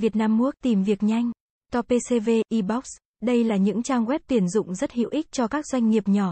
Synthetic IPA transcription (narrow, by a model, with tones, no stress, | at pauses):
vi˨˩ət̚naː˧mːu˦˥ək̚t̪i˨˩mvi˨˩ək̚ɲa˧jŋ̟ | t̪ɔ˧pe˧se˧ve˧ʔi˧ɓɔ˦˥k̚s | ɗə˧jlaː˨˩ɲɨ̰˧˥ŋt͡ɕaː˧ŋɣwɛ˦˥p̚t̪i˨˩ənzʊ̰˧˨ŋ͡mzə˦˥t̚hḭ˧˨wʔi˦˥k̟̚t͡ɕɔ˧kaː˦˥k̚zwa˧jŋ̟ːi˨˩əp̚ɲɔ˧˩